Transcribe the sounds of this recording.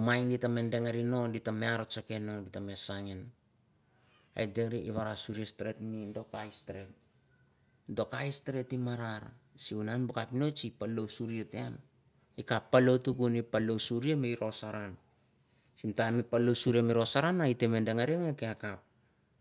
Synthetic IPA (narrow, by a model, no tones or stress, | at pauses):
majnditame̞ndeŋaɾino̞nditameaɾot͡ʃake̞nonditamesaŋen | a̰jdeɾiiβaɾasuɾiastɾetmindo̞kajstɾe̞t̚ | do̞kajstɾe̞timaɾaɾa̰siunanbokapino̞t͡ʃipalowsuɾietean | ikapːalo̞tukunipalosuɾiameiɾo̞saɾan | simtamipalosuɾiamiɾo̞saɾanaiteme̞nde̞ŋaɾiŋekeakap̚